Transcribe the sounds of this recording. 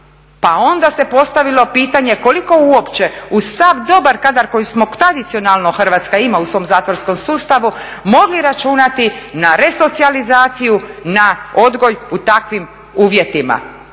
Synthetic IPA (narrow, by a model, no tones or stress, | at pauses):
pao̞nd̪ase̞po̞st̪aʋilo̞piːt̪aɲe̞ko̞liko̞uo̞pt͡ɕe̞usavd̪o̞baɾkad̪aɾko̞jusmo̞t̪ɾad̪it̪sio̞nalˠno̞xr̩ʋaːt̪skaimausʋo̞ːmzaːt̪ʋoɾsko̞msuːst̪aʋu | mo̞ɡliɾat͡ʃunat̪inaɾe̞so̞t̪sializaːt̪sijunao̞d̪ɡo̞jut̪akʋim | uːʋje̞t̪ima̰